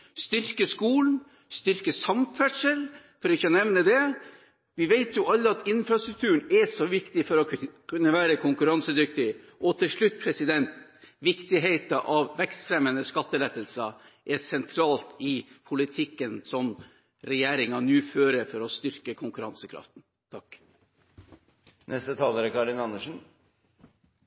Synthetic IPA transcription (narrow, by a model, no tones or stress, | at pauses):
st̪ʏɾkəskuːln̩ | st̪ʏɾkəsɑmfæʂəl | fɔɾɔɪçːɔnɛʋnəd̪ɛ | ʋɪʋeɪt̪ʰjʊʔɑlːəɑt̪ɪnfɾɑst̪ɾʉkt̪ʰʉːɳɛsɔʋɪkt̪ɪfɔɾɔkʰʉnːəʋæːɾəkʰʊŋkʉɾɑnsəd̪ʏk̚t̪ɪ | ʔɔt̪ʰɪlʂɭʉt̪̚ːpʰɾɛsɪd̪ɛnt̪ʋɪkt̪ɪɦeɪt̪ɑʔɑʋʋɛkst̪fɾɛmənəskɑt̪ːəlɛt̪ːəlsɑ | ʔɛsɛnt̪ʰɾɑːlt̪ɪpʰʊlɪt̪ʰɪkːənsɔm | ɾɛjæːɾɪŋɑnʉːføːɾəfɔɾɔst̪ʏɾkəkʰʊŋkʉɾɑnsəkʰɾɑ̰ft̪n̩ | t̪ʰɑkː | nʔɛst̪ət̪ʰɑːləɾəkʰɑɾɪnɑnːəʂn̩